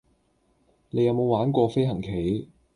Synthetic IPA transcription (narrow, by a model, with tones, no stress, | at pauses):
ne˨˧jɐ˨˧wmo˨˧waː˨˥nkʷɔː˧fe˥jɦɐ˨˩ŋkʰe˨˥j